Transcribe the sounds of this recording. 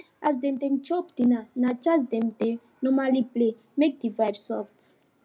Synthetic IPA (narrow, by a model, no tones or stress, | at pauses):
ʔasdɛ̃mdɛ̃nt͡ʃɔpd̥inanat͡ʃasdɛ̃mdẽ | nɔmaliple | mek̚divajbsɔft